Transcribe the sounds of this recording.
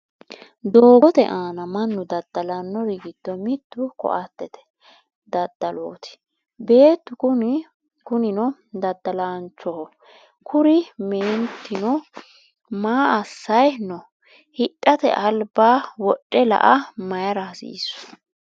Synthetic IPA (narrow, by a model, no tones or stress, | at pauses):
d̪oːɡɔt̪ɛ̰ʔaːnɐmɐnːʊd̪ɐd̪̥ːɐlanːɔɾɪɡɪd̪̥ːɔmɪt̪ːʊkɔ̰ʔɐt̪ːɛt̪ɛ̥ | d̪ɐd̪̥ːɐlo̰ːt̪ɪ̥ | be̞ːt̪ːʊʊ | kʊnɪnɔ | d̪ɐd̪ːɐlaːnt͡ʃːɔhɔ | kʰʊɾɪmeːnt̪ːɪnɔ | maːɐsːɐjnɔ | hɪʔʼːɐt̪ɛ̰ʔɐlbaːwɔɗʼːɛlɐ̰ʔɐmɐjɐɾɐsḭːsːʊ̥